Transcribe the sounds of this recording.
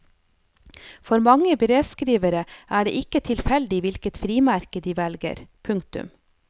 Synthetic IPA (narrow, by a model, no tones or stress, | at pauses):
fɔɾmɑŋəbəɾeːd̪skɾiːʋəɾəʔæːɖḛːʔɪkət̪ʰɪlfɛld̪ɪʋɪlkət̪fɾiːmæɾkəd̪iːʋɛlɡə̰ɾpʰʉŋkt̪ʉ̰m